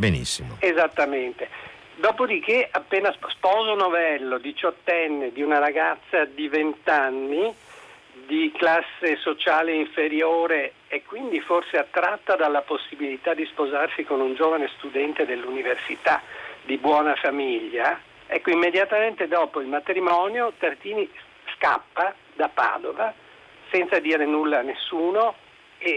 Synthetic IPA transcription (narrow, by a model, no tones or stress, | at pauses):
benḭsːimoezat̪ːament̪e | d̪ɔːpod̪ik̟eʔapːeːnasspɔːzonovɛlːod̪it͡ʃɔt̪ːɛnːed̪iunaɾaɡat̪sːad̪ivent̪anːi | d̪iklasːesot͡ʃaːleiɱfeɾjoːɾe | ɛkːwind̪iforseat̪ːɾat̪ːad̪alːaposːibilit̪ad̪ispozarsikonund͡ʒoːvanest̪ud̪ɛnt̪ed̪elːuniversit̪ad̪ibwɔːnafamiʎːa | ɛkːoimːed̪jat̪ament̪ed̪ɔːpoilmat̪ɾimɔːnjot̪art̪iːni | ska̰pːa | d̪apa̰ːd̪ova | sɛnt̪sad̪iːɾenulːaːnːesːuːno | e